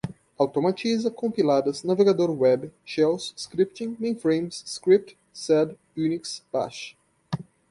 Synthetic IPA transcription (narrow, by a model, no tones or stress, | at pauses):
awt̪omat͡ʃizɐkõmpilad̪ɐznaveɡad̪oɾwɛbʃɛwsːkɾip̚t̪ĩŋmẽj̃fɾẽjmsːkɾip̚t̪ | sɛd̪ | juniksb̥a̰ʃ